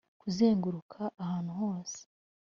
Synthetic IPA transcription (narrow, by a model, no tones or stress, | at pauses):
kuzeːŋɡuɾukʰaʔːhaːnhuho̞ːse̥